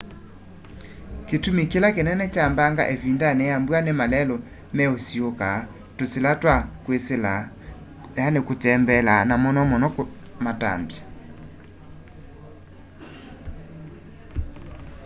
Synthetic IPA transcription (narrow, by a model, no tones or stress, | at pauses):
ketumikelakenɛnɛt͡ʃambaŋɡa̰ʔevindanɛjambwanemalɛlɔ | mɛosioka | toselatwakwesela | anekotɛmbɛlanamɔnɔmɔnɔk | mata̰mbja